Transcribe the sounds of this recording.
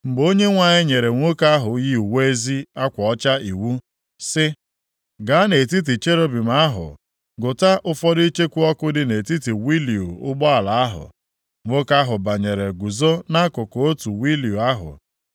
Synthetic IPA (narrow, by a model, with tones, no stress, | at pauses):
ŋ͡m̩˨ɡ͡bo˦ɲe˦ŋʷa˨ɲɪ˦ɲe˨ɾe˨ŋʷo˦ka˦ɦʊ˨ɣi˦u˨we˦zi˦a˦kʷɔ˨ɔ˦t͡ʃa˦i˨wu˦ | sɪ˦ | ɡa˨˦ne˨t̬i˦t̬i˨t͡ʃe˦ɾo˦bi˨m̩a˦ɦʊ̰˨ | ɡʊ˨ta˦ʔʊ˦fɔ˦di˦i˦t͡ʃe˦kʷu˦ɔ˦kʊ˦dɪ˦ne˨ti˦ti˨wi˦li˨u˨ʊ˦ɡ͡bɔ˦a˨la˨a˦ɦʊ̰˨ | ŋʷo˦ka˦ɦʊ˨ba˨ɲe˨ɾe˨ɡu˨zo˦na˦kʊ˨ko˨o˦tu˨wi˦li˨u˨a˦ɦʊ̰˨